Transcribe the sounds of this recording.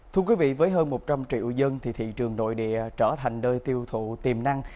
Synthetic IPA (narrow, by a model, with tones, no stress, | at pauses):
t̪ʰu˧əkwi˨˦vḭ˧˨vəː˨˦jɦəː˧nmo˨˩t̚t͡ɕa˧mt͡ɕḭ˧˨wzə˧nt̪ʰḭ˨˩t̪ʰḭ˧˨t͡ɕɨ˨˩əŋno̰˧˨jɗḭ˧˨ət͡ɕəː˧˩t̪ʰa˨˩jŋ̟ɗəː˧jt̪i˧əwt̪ʰṵ˧˨t̪i˨˩mna˧ŋ